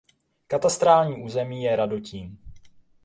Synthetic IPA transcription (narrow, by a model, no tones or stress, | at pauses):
kat̪ast̪ɾaːlɲiːʔuːzɛmiːjɛɾadociːm